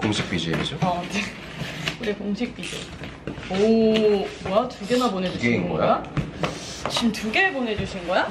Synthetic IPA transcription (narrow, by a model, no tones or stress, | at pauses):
koŋɕʰi̥k̚p͈id͡ʑieid͡ʑoʌne | uɾekoŋɕʰik̚p͈id͡ʑḛ | o | atuɡemapone̞uɡeinɡʌ̰jaa | t͡ɕimtuɡe̞pone̞d͡ʑuɕʰinɡʌja